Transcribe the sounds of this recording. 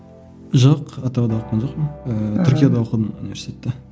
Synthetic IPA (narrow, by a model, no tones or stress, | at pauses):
ʒoqɑt̪ːɑwɑd̪ɑwoqːɑnʒoqmənət̪ʰʏɾʲkʲijad̪ɑwoqəd̪ənṵnivʲe̞ɾsʲi̥t̪ʲet̪ːe